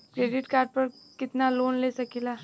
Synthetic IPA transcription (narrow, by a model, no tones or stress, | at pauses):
kɾeːɖɪʈkaːɾɖ̚pɐɾ | kɪt̪naloːnleːsɐkilaː